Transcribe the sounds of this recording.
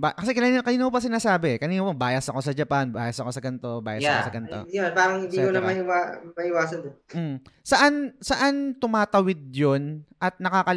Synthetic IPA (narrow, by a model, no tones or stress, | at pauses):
ba̰kɐsɛkɐnaːnkɐniːnoopɐs̬ɪnaːsaːbɛɛkɐniːnopɐbaːjɐsɐko̞sɐd͡ʒɐpanbaːjɐsɐko̞sɐɡɐnt̪o̞ba̰ːjɐsɐkosɐɡɐnt̪o̰jonpaːɾɐŋɪnd̪ikonɐmɐʔɪwaːmɐʔɪwaːsɐnd̪om̩sɐʔansɐʔant̪ʊmaːt̪ɐwɪd̪̚jonʔɐt̪̚nɐkaːkɐ